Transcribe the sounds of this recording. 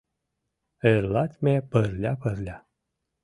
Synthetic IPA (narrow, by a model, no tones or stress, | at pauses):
eɾlat̪ʲmʲepəɾlʲapəɾlʲa